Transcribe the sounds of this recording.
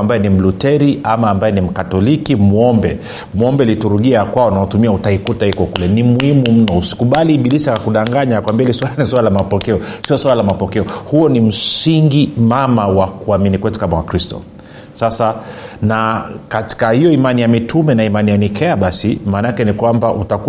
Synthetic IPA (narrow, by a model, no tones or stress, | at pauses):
ambajɛnim̩lutɛɾiʔamaːmbajɛnim̩katɔlikimuɔmbɛ | muɔmbɛlituɾuɠiakwaɔnaɔtumiautaikutahikɔkulɛnimuhimum̩nɔusi̥kuɓaliɓilisaakuɗaŋɡaɲaakwambiailiswalaniswalalamapɔkɛɔsiɔswalalamapɔkɛɔhuɔnim̩siŋɡimamawakuaminikwɛtu̥kamawakɾistɔ̰ | sasanakati̥kahijɔimanijamitumɛnaimanijanikʰɛaɓasimaːnaakɛnikwambaʔutaku